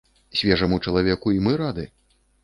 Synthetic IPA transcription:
sʲvʲɛʐɐmut͡ʂɐlˠavʲɛkuimɨɾad̪ɨ

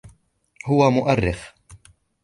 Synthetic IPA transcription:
hʊːwɐmʊʔɐrːɪf

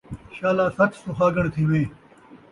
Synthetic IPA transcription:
ɕaːlaːsɐt͡ʃsuxaːɡɐɽ̃t̪ʰiwẽː

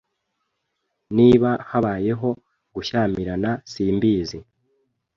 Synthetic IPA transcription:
niːβahaβaːje̞ɦo̞ | ɡuʃaːmiɾanasiːmbiːzi

